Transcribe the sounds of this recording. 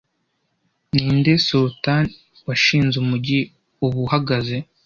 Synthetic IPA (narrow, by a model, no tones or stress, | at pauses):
niːndesulutan | waʃiːnzumuɟi | uβuhaɡaze̞